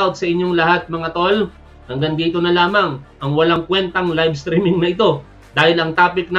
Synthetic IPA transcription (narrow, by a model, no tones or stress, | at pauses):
od̪̚sɐʔɪɲjo̞ŋlɐhat̪̚mɐŋat̪ol | hɐŋɡɐŋd̪iːt̪o̞nɐlaːmɐŋʔɐŋwɐlaŋkwɛnt̪ɐŋlajbst̪ɾimɪŋnɐʔɪt̪o̞ | d̪aːhɪlɐŋt̪aːpɪk̚n